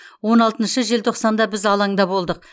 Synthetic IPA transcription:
wo̞nɑlˠt̪ənʃəʒe̞lt̪ʰo̞qsɑnd̪ɑbɪzɑlˠɑɴd̪ɑbo̞lˠd̪əq̚

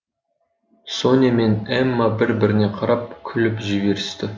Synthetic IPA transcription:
soneme̞nemːɑbɪɾbɪɾɪne̞qʰɑɾɑp̚kʲʰʏlɪpʒʏbe̞ɾɪst̪ɪ

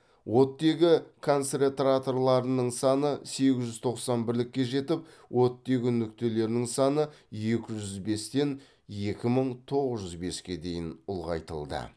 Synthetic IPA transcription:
wʔo̞t̪ːe̞ɡʲɪkʰo̞nseɾʲet̪rat̪o̞rlˠɑɾənəɴsɑnəse̞ɡʲɪzʒʏz̥t̪ʰo̞qsɑnbɪɾlɪkʲːe̞ʒe̞t̪ɪp | wʔo̞t̪ːe̞ɡʲɪnʏk̚t̪e̞le̞ɾnɪŋsɑnəje̞kʲɪʒʏzbe̞st̪e̞n | je̞kʲɪməɴt̪ʰo̞ʁəzʒʏzbe̞skʲe̞d̪e̞jɪnʊlˠʁɑ̰jt̪ə̰lˠd̪ə̰

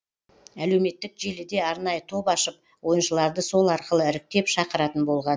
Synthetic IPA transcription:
æle̞wme̞t̪ːɪkʒe̞lɪd̪e̞ɑɾnɑjət̪ʰo̞pɑʃəp̚ | wo̞jənʃəlˠɑɾd̪əso̞lˠɑɾqəlˠəɪɾɪk̚t̪e̞pʃɑqəɾɑt̪ənbo̞lˠʁɑn

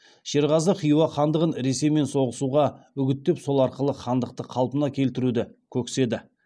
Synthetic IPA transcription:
ʃe̞ɾʁɑzəqʰijuwɑχɑnd̪əʁənɾe̞se̞me̞nso̞ʁəsuʁɑ | ʏɡʲɪt̪ːe̞pso̞lˠɑɾqəlˠəχʰɑnd̪əq̚t̪əqʰɑlˠpənɑkʲʰe̞lt̪ɪɾud̪ɪkʲʰɵkse̞d̪ɪ

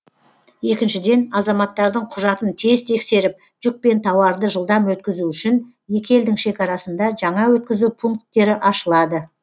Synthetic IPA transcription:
je̞kʲɪnʃɪd̪e̞nɑzɑmɑt̪ːɑɾd̪əɴqʰʊʒɑt̪ənt̪ʰezt̪ʰe̞kse̞ɾɪp̚ | ʒ̥ʏk̚pe̞nt̪ʰɑwɑɾd̪əʒəlˠd̪ɑmwɵt̪kʲɪzuʏʃɪn | je̞kʲʰe̞ld̪ɪŋʃe̞kʲɑɾɑsənd̪ɑʒɑɴɑwɵt̪kʲɪzupʰuŋk̚t̪ːe̞ɾɪʔɑʃəlˠɑd̪ə

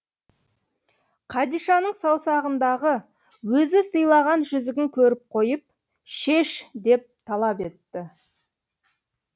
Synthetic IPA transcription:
qʰɑd̪ijʃɑnəɴsɑwsɑʁənd̪ɑʁə | wɵzɪsəjlˠɑʁɑnʒʏzɪɡʲɪŋkʲʰɵɾɪp̚qʰo̞jəp̚ | ʃe̞ʃd̪e̞p̚t̪ʰɑlˠɑpe̞t̪ːɪ

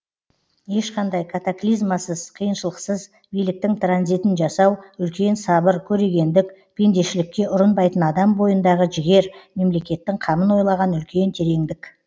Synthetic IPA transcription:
je̞ʃqɑnd̪ɑjkʰat̪aklˠijzmasəz̥qʰəjənʃəlˠəqsəz | bijlɪk̚t̪ɪŋt̪ranzijt̪ɪnʒɑsɑwʏlkʲe̞nsɑbəɾkʲʰɵɾe̞ɡʲe̞nd̪ɪk̚ | pʲʰe̞nd̪e̞ʃɪlɪkʲːe̞ʔʊɾənbɑjt̪ənɑd̪ɑmbo̞jənd̪ɑʁəʒɪɡʲe̞ɾme̞mle̞kʲe̞t̪ːɪŋqʰɑmənwo̞jlˠɑʁɑnʏlkʲe̞nt̪ʰe̞ɾe̞ŋd̪ɪkʲ

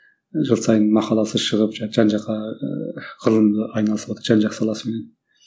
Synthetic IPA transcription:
ʒəlˠsɑjənmɑqɑlˠɑsəʃəʁəpʒɑʒ̥ɑnʒɑqːɑ | ʁ̥əlˠəmd̪əɑjnɑlˠəsəpwot̪əɾʒɑnʒɑqsɑlˠɑsəmenen

